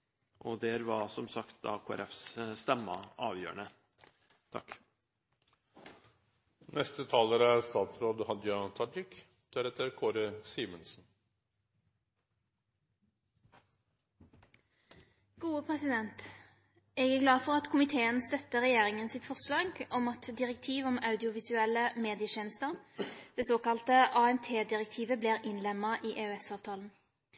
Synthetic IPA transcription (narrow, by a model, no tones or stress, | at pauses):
ʔɔd̪ɛɾʋɑɾsɔmsɑkt̪d̪ɑ̰kʰoːæ̰ɾɛfsst̪ɛmːɑɑːʋjø̰ːə̰ɳə | t̪ʰɑ̰kː | nʔɛst̪ət̪ʰɑːləɾəæst̪ɑːt̪sɾoːd̪hɑd̪jɑt̪ʰɑɖ̪ɪk | t̪ʰɛɾɛt̪ʰəɾkʰoːɾəsiːmənsn̩ | ɡ̥uːəpʰʁɛsɪd̪ɛnt̪ | ɛːɡæɡlɑːfɔʁɑt̪kʰʊmɪt̪ʰeːənst̪œt̪ːəʁɛjeːʁɪŋənsɪt̪fɔʁslɑːɡɔmɑt̪d̪ɪʁɛk̚t̪ʰiːʋɔmɑʉd̪ɪʊʋɪsʉɛlːəmeːd̪ɪəʃeːnəst̪əʁd̪̥ɛsoːkɑlt̪əʔɑːɛmt̪ʰeːd̪ɪʁɛk̚t̪ʰiːʋəbliːʁɪnlɛmːɑʔiːʔeʉɛsɑːʋt̪ʰɑːln̩